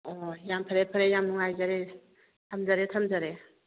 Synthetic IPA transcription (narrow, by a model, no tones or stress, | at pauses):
ɔjampʰəɾepʰəɾejamnuŋajzaɾe | tʰamzaɾetʰamzaɾe